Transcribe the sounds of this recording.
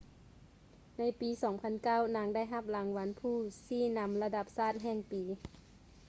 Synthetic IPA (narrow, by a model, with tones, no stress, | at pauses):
na˧˥˩jpiː˨˦sɔː˨˩˦ŋpʰa˧˥nkaː˥˩wnaː˨˦ŋda˥˩jɦa˧˥p̚la˨˩˦ŋwa˧˦npʰuː˧˥˩siː˧˥˩na˧˥mla˧da˧p̚saː˥˩t̪̚ɦɛː˧˩ŋpiː˨˦